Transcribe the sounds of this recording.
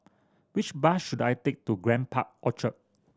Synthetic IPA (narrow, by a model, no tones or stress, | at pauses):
wit͡ʃbasʃudajtek̚tuɡɹɛ̃npʰa̰k̚ʔɔt͡ʃət̚